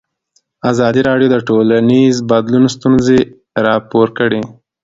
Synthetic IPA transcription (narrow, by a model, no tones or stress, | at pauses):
azɑd̪iɾɑɖjod̪əʈolanizbad̪lunst̪unze | ɾɑpoɾkəɽe